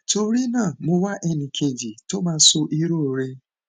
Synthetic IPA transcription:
to˧ɾi˦nãː˦˨mo˧wa˦ʔɛ˦nĩ˨kʰe˧d͡ʒi˨to˦mãː˦so˧ʔi˦ɾo˦˨ɾe˧

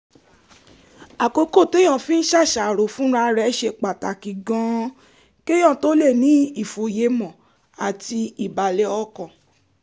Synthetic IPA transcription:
a˨ko˧ko˦˨te˦j̃ɔ̃˦˨fĩ˦n̩˦ʃa˦˨ʃa˨ɾo˨fũ˦ɾa˧ɾɛ˦ʃe˧˨k͡pa˨ta˨ki˨ɡɔ̃˨˦ | ke˦j̃ɔ̃˦˨to˦le˦˨nĩ˨˦i˦˨fo˨je˨˦mɔ̃˨ | a˨ti˧i˨ba˨lɛ˧˦ɔ˧kɔ̃˨

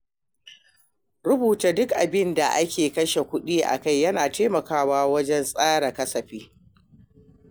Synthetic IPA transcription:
ɽʊ˦buː˨ta˨dʊ˦kʔa˨bɪ˦nda˨ʔa˦kʲeː˨kɐ˦ʃe˨kʷʊ˦ɗiː˦ʔa̰˨ka˦˨jːɐ˦naː˨teː˦mɐ˨kaː˦waː˦wɐ˦d͡ʒɛ˦nsʼaː˦ɽɐ˨kɐ˦sɐ˨ɸiː˦

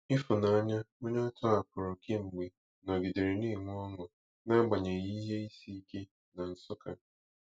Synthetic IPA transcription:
i˦fʊ˨na˨a˦ɲa˦o˦ɲa˦tɔ˦a˨pʊ˨ɾʊ˨kʰe˦ŋ͡m̩˨ɡ͡be˨ | nɔ˨ɡi˨de˨ɾe˨ni˦˨ŋʷ˦ɔ˦ŋʊ˨ | na˦ɡ͡ba˨ɲe˨i˦ɦe˦i˦si˦ke˦ | na˨n̩˨sʊ˦ka̰˨

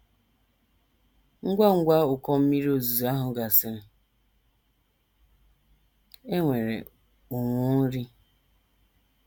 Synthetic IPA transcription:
ŋ̩˦ɡʷa˦ŋ̩˦ɡʷa˦ʊ˨kɔ˦m̩˦mi˦ɾo˦zu˨za˦ɦʊ˨ɡa˨sɪ˦ɾɪ˨ | e˦ŋʷe˨ɾḛ˨ | ʊ˨ŋʷʊ˦ɾi˦

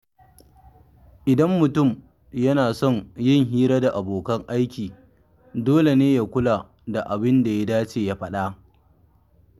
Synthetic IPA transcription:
ʔɪ˨dɐ˦mːʊ˨tʊ˦˨m | jɐ˦naː˨sɔ˦˨ŋjɪ˦ŋɦiː˦ɾa˦da˨ʔa˨boː˨kɐ˦ŋʔa˦jkʲiː˨ | doː˦le˨neː˦ja˦kʷʊ˦la˨ | da˨ʔa˨bɪ˦nda˨ja˦daː˦t͡ʃeː˨ja˦ɸɐ˦ɗa˦

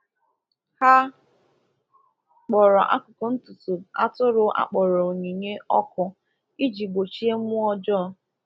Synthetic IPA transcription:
ha˦ | k͡pɔ˨ɾɔ˨ʔa̰˦kʊ˨ko˨n̩˦tu˨tu˨a˦tʊ˦ɾʊ˦ʔa̰˦k͡pɔ˨ɾɔ˨o˨ɲe˨ɲe˦ɔ˦kʊ˦ | i˦d͡ʒi˨ɡ͡bo˨t͡ʃi˦e˦mʊ˦ɔ˦d͡ʒɔ˦

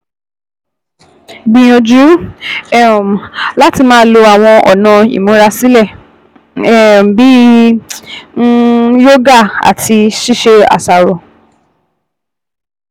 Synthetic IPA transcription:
bĩ˧j̃ɔ̃˧d͡ʒu˨˦ɛ˦˨m˨la˦ti˧mãː˦lo˧a˨w̃ɔ̃˧ʔɔ˨nã˨ḭ˨mõ˨˦ɾa˧si˦lɛ˦˨˦ | m˨bi˦ | jo˦ɡa˦˨a̰˨tʰi˧ʃi˦˨ʃe˧a̰˨sa˨ɾo˨

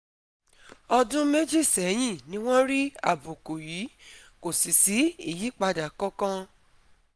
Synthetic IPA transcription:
ɔ˧dũ˦me˦d͡ʒi˦˨sɛ˨˦j̃ĩ˦˨nĩ˦w̃ɔ̃˦ɾi˦a̰˦˨bo˨ko˨ji˨˦ | ko˨si˨si˨˦i˦˨ji˨˦k͡pa˧da˨kɔ˦kã˦

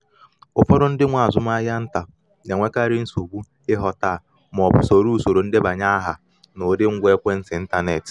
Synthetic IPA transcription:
ʊ˨fɔ˦ɾʊ˦n̩˦dɪ˦ŋʷa˨a˨zʊ˦m˦a˦ja˦n̩˦ta˨ | na˨ŋʷe˦ka˦ɾɪ˦n̩˦so˨ɡ͡bu˦ | ɪ˦ɦɔ˨ta˦˨ | m˨ɔ˨bʊ˨so˨ɾu˦u˦˨so˨ɾo˨n̩˦dɪ˦ba˨ɲa˦a˦ɦa˨ | nʊ˨˦dɪ˦ŋ̩˦ɡʷe˦kʷe˦n̩˦sɪ˨n̩˦ta˦ne˨t

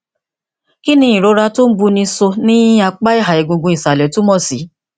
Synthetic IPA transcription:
ki˦nĩ˧ĩ˨ɾo˨˧˦ɾa˧to˦n̩˦bu˧nĩ˧so˧nĩ˦a˧k͡pa˦i˦˨ɦa˨i˨ɡõ˨ɡũ˧i˨sa˨lɛ˨˦tũ˨˦mɔ̃˦˨si˨˦

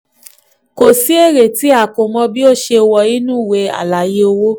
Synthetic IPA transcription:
ko˨si˨˦e˦˨ɾe˨ti˨˦a˦˨ko˨mɔ̃˧bi˦o˦˨ʃe˧wɔ˧i˦nũ˦˨we˨˦a̰˨la˨je˦o˧wo˦

